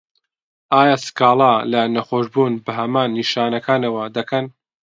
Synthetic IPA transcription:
aːjaːsɨ̥kaːlˠalɐnɐχoːʃbuːnbɐɦɐmaːnːiʃaːnɐkʰaːnɐwɐd̪ɐkʰɐn

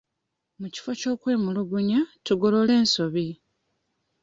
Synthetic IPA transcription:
muci̥foco̞ːkwe̞ːmuluɡuɲatuɡo̞lo̞le̞ːnso̞βi

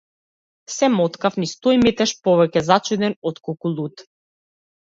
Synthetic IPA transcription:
sɛmɔt̪kafnist̪ɔjmit̪ɛʃpɔvɛcɛzat͡ʃud̪ɛnɔt̪kɔlˠkulˠut̪

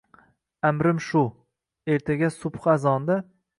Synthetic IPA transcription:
amɾɪmʃʊ | e̞ɾt̪ʰaɡʲasʊpχazɒnd̪a

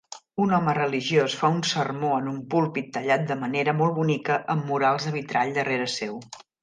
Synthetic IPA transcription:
unɔmərəliʒiosfaunsərmoənumpulˠpit̪ːəʎat̪̚d̪əməneɾəmɔlˠβunikəʔəmːuɾalˠzðəβit̪ɾaʎd̪əreɾəsew

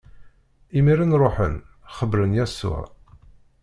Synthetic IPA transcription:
imiɾinɾˤoħə̰n | χəbɾənjæsːṵʕ

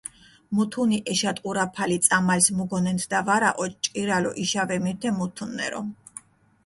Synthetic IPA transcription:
mut̪ʰuniʔɛʃat̪ʼqʼuɾapʰalit̪sʼamalsmuɡɔnɛnt̪ʰd̪avaɾa̰ʔɔt͡ʃt͡ʃʼiɾalɔʔiʃavɛmiɾt̪ʰɛmut̪ʰunːɛ̰ɾɔ̰

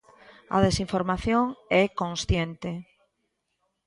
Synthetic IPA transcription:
a̰ð̞esiɱfoɾmaθjoŋɛkõnsθjent̪e

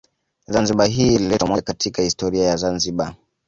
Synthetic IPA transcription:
zanziɓaɦiːlilɛtɔamwakatʰikahistɔɾiajazanziɓa

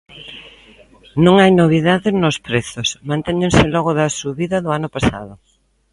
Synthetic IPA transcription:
nõŋajnoβ̞iðaðɪnospɾeθʊsmãnt̪eɲẽnsɪlɔɣʊðɐsuβiðɐðʊanʊpasa̰ðʊ

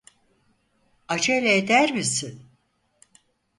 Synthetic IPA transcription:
ad͡ʒajlʲɛed̪æɾmisin

